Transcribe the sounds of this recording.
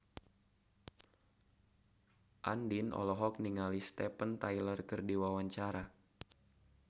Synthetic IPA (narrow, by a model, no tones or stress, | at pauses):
ʔa̰ndinɔ̰lɔɦɔk̚niŋalist̪ɛpənt̪ajlərkərdiwawaɲt͡ʃaɾa